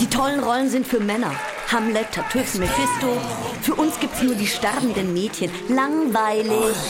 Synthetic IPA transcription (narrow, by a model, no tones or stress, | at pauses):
d̥iːtʰɔlənʁɔlənzɪntfyːɐmɛnɐ̰ | hamlɛtʰatʰʏfmɪfɪstofyːɐʔʊnsɡ̥iːp̚tsnuːɐdiːʃtɛʁbm̩dənmeːtçənlaŋvaɪlɪç